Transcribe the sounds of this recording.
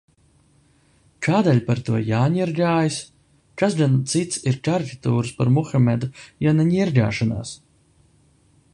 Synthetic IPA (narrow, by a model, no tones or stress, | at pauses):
kaːd̪ɛlʲpaɾt̪uɔjaːɲiɾɡʲaːjis | kazɡant̪sit̪siɾkaɾkat̪uːɾɨspaɾmuxamʲɛd̪ujanaɲiɾɡʲa̰ːʃɔna̰ːs